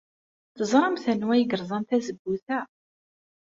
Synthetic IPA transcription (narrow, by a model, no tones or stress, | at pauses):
θəzˤɾˤɑmθænwæjəɡəɾˤzˤɑnt̪æzəbːuθæ